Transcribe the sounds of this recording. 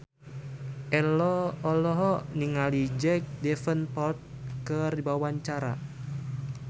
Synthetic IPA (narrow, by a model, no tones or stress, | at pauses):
ʔɛlɔɔlɔɦɔniŋalid͡ʒɛk̚dɛfənpɔt̪̚kərdibawaɲt͡ʃaɾa̰